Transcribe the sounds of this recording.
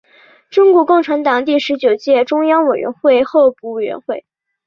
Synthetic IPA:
ʈ͡ʂʊ˥ŋku˥˩kʊ˥˩ŋʈ͡ʂʰa˧˥nt̪ɑ˨˩ŋt̪i˥˩ʂɻ̩˧˥t͡ɕjo˨˩ʊt͡ɕjɛ˥˩ʈ͡ʂʊ˥ŋjɑ˥ŋwe˨˩ɥɛ̰˧˥nxwe˥˧ɪxo˥˧ʊpu˨˥˩we˨˩ɪɥɛ̰˧˥nxwe˥˩ɪ

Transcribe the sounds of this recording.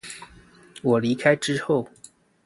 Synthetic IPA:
wɔ˨˩li˧˥kʰa˥ɪʈ͡ʂɻ̩˥xo˥˩ʊ

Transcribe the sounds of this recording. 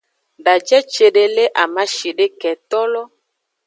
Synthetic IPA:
ɖa˨d͡ʒɛ˦t͡ʃe˨ɖe˨le˦ʔa˨ma˦ʃi˨ɖe˦kɛ˨t̪ɔ˦lɔ˦

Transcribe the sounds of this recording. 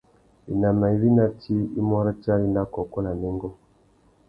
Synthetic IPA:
i˨na˨ma˨i˨˦βi˦na˦tʰi˦ḭ˦mɔ˦ɾa˦t͡ʃa˦li˦na˦kɔ˨kɔ˦na˨nɛ˦ŋɡɔ˦

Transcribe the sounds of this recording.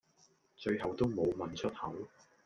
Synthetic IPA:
t͡ʃɵ˧ɥɦɐ˨˩wt̪o˥wmo˨˧wmɐ˨nt͡ʃʰɵ˥t̚hɐ˨˥w

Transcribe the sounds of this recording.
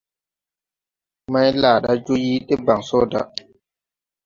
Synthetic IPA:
ma˦jlaː˨ɗa˦d͡ʒo˦ji˦ɗe˦ba˨ŋsɔ˦da̰˦

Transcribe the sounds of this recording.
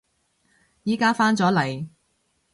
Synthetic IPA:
jiː˨˥kaː˥faː˥nt͡sɔː˨˥lɐ˨˩j

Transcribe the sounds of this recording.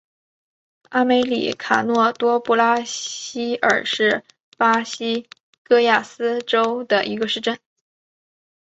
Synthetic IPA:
a˥me˧˥ɪlḭ˨˩kʰa˨˩nwɔ˥˩t̪wɔ˥pu˥˩la˥ɕi˥ə̰˞˨˩ʂɻ̩˥˩ | pa˥ɕi˥ | kɤ˥ja˥˩sɹ̩˥ʈ͡ʂo˥ʊd̪ə˨ʔi˧˥ɡə˧ʂɻ̩˥˧ʈ͡ʂə˥˩n

